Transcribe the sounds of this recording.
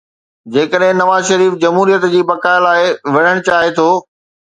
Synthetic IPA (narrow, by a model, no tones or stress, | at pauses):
d͡ʑeːkəɗɦɪ̃nɐʋaːzʃɐɾiːfd͡ʑɐmɦuːɾijət̪d͡ʑiːbɐkaːɪlaːɪʋɐɽ̤əɽ̃t͡ɕaːɦet̪ʰoː